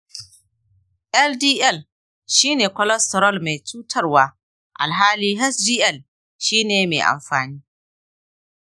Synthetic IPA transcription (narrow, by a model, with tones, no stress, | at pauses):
ʔɛ˦ldiː˦ʔɛ˦˨l | ʃiː˦neː˨kʷɔ˦lɛ˦stɔ˨ɾɔ˦˨lme˨t͡ʃuː˦tʰɐ˦rwaː˦ | ʔa̰˨lɦaː˦liː˦ɦɛ˦sdiː˦ʔɛ˦˨l | ʃiː˦neː˨mḛː˨ʔa̰˨mɸaː˨niː˦